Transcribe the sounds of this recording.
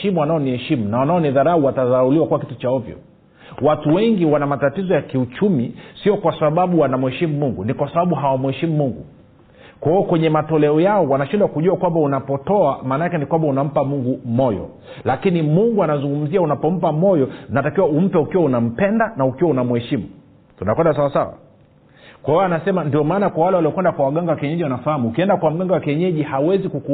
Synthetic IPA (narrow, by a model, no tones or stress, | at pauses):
ʃimuanaɔnihɛʃimunawanaɔniðaɾauwataðaauliwakuwakitu̥t͡ʃaɔvjɔ̰ | watuwɛŋɡiwanamatatizɔjakiut͡ʃumisiɔkwasaɓaɓuwanam̩uhɛʃimumuŋɡunikwasaɓaɓuɦawamuhɛʃimumuŋɡu | kwahiɔkwɛɲɛmatɔlɛɔjaɔwanaʃindwakuʄuwakwambaunapɔtɔamaːnakɛnikwambaunam̩pamuŋɡumɔjɔ̰ | lakinimuŋɡuanazuŋɡum̩ziaunapɔm̩pamɔjɔnatakiwaum̩pɛukiwaunam̩pɛndanaukiwaunamuhɛʃimu | tunakwɛndasawasa̰wa̰ | kwahiɔanasɛmandiɔmaːnakwawalɛwaliɔkwɛndakwawaɠaŋɡawakiɛɲɛʄiwanafahamuukiɛndakwam̩ɡaŋɡawakiɛɲɛʄihawɛzikuku